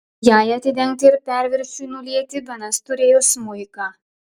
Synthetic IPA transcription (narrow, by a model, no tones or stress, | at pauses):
jaːjɐt̪ʲɪd̪ʲɛŋk̚t̪ʲɪɪɾpʲæɾʲʋʲɪɾʲsʲujnʊlʲiɛt̪ʲɪbʲɛnɐst̪ʊɾʲeːjoːsmʊɪkɑ